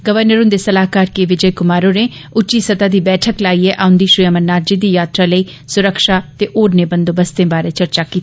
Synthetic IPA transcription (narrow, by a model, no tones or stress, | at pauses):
ɡəʋəɾnəɾõnd̪eːsəlaːɦkaːɾkeːʋɪd͡ʒəekʊmaːɾõːɾẽːʊt͡ʃːiːsət̪aːd̪iːbɛːʈʰəklaːiːɛːʔaːʊ̃nd̪iːʃɾʊamənaːɾd͡ʒiːd̪iːjaːt̪ɾaːləiː | sʊɾəkʃaːt̪eːʔoːɾneːbənd̪oːbəst̪ẽːbaːɾeːt͡ʃəɾt͡ʃaːkiːt̪ː